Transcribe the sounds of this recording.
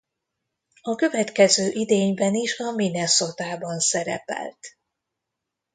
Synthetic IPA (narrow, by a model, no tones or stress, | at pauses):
ɒkø̞vɛt̪kɛzøːʔid̪eːɲbɛniʃɒminɛso̞t̪aːbɒnsɛɾɛ̰pɛ̰lt̪